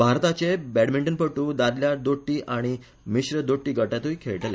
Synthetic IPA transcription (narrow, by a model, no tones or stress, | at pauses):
bʱaɾt̪at͡ɕebæɽmiɳʈənpəʈːũd̪ad̪ljad̪oʈːiːʔaɽ̃i | miɕɾəd̪oʈːiːɡəʈjat̪uikʰeɭʈlja